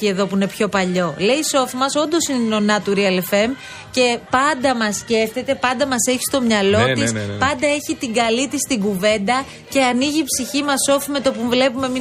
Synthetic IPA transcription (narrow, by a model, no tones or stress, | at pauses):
ie̞ðo̞puine̞pço̞pɐʎo̞le̞iso̞fmɐso̞nd̪o̞sineno̞nɐt̪uɾiɐlefe̞m | ce̞pɐnd̪ɐmɐsce̞fθe̞t̪e̞pɐnd̪ɐmɐse̞çi̥st̪o̞mɲɐlo̞t̪ispɐnd̪ɐe̞çit̪iɡɐlit̪ist̪iŋɡuve̞nd̪ɐ | ce̞ɐniʝipsiçimɐso̞fme̞t̪o̞puvle̞pume̞mi